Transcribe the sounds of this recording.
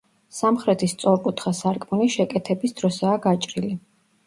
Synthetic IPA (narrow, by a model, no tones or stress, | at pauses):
samχɾɛt̪ʰist̪sʼɔɾkʼut̪ʰχasaɾkʼmuniʃɛkʼɛt̪ʰɛbisd̪ɾɔsaːɡat͡ʃʼɾili